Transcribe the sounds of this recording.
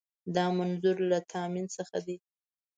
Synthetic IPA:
d̪ɑmanzʊɾlat̪ʰɑminsəxa̰d̪e

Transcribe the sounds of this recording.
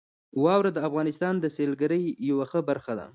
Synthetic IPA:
wɑwɾad̪əafɣɑnɪst̪ɑnd̪əselɡaɾəjːawaxəbaɾxad̪a̰

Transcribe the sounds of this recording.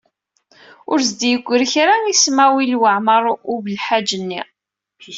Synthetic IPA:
ʊɾzd̪jəɡʷːəɾçɾaismæwilwəʕməɾˤubəlħad͡ʒənːi

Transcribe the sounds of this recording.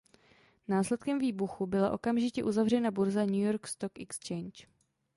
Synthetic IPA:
naːslɛt̪̚kɛmviːbuxubɪlaʔo̞kamʒɪcɛʔuzavr̝ɛnabuɾzaɲujo̞ɾkst̪okɛkst͡ʃɛjnt͡ʃ

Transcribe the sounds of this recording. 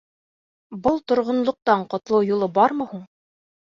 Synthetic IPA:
bɤlˠt̪ŏɾʁŏnlˠŏq̚t̪ɑɴqŏt̪lˠɤwjulˠɤbɑɾmɤ̆huɴ

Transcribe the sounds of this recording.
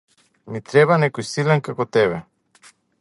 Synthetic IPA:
mit̪ɾɛβanɛkojsilɛnkakot̪ɛβɛ

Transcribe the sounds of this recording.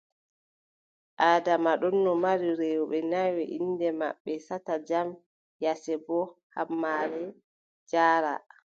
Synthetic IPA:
ʔaːdamaɗɔnːɔmaɾiɾɛwɔɓɛnawɛʔindɛma̰ɓːɛsatad͡ʒam | jasɛbɔhamːaːɾɛ | d͡ʒaːɾa̰

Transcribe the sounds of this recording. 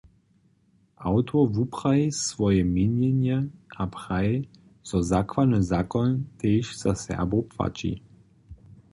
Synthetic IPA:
ʔawt̪ɔvupʁ̥aisʋɔjɛminjɛnjɛʔapʁaɛ | z̥ɔzakʋad̪nɔzakɔnt̪eːʃz̥asɛ̰ʁbopva̰t͡ʃḭ

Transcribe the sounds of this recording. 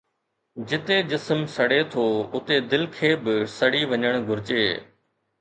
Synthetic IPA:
d͡ʑɪt̪ed͡ʑɪsmsɐɽet̪ʰoːʊt̪ed̪ɪlkʰeːbɪsɐɽiːʋɐɲəɽ̃ɡʱʊɾɪt͡ʃeː

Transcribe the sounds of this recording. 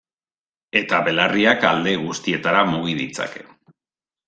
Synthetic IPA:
e̞t̪aβe̞lariakald̪e̞ɣ̞ust̪ie̞t̪aɾamuɣiðit͡sa̰ke̞̥̰

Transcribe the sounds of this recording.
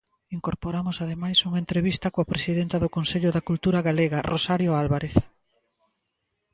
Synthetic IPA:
iŋkoɾpoɾamʊsaðemajsuŋent̪ɾeβist̪ɐkoapɾesiðent̪ɐðʊkõnseʎʊðakult̪uɾaɣaleɣarosaɾjoalβaɾeθ

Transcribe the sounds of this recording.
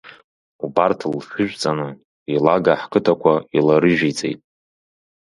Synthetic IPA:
ubartʰlʃʷᶣʊʒᶣt͡sʼanɨ | ilaɡaħkʰɨtʰakʷʰailaɾɨʒᶣit͡sʼḛjtʼ

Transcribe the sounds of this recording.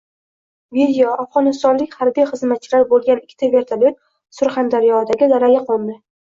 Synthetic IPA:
vid̪ʲijoafʁɒnɪst̪ɒnlɪkʲhaɾbijχɨzmat̪̚t͡ʃʰɪlaɾbolˠɡʲanɪkʲʰːɪ̥t̪ʰavʲe̞ɾt̪ʰalot̪ | sʊɾχand̪aɾijɒd̪aɡʲɪd̪aɾaɡʲaqʰɒnˠd̪ɪ

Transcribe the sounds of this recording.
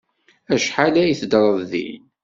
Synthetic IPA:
æʃħalæjiθd̪ɾˤəððḭl

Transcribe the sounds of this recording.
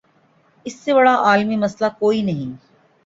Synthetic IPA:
ɪsːebɐɽaʔaːlmimɐslakoːinɐɦĩ

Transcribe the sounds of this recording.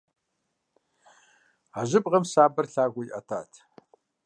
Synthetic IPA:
aʑɪpʼʁɐmsaːbɐrɬaːɡʷʊjʔɐ̰tʰa̰ːtʰ

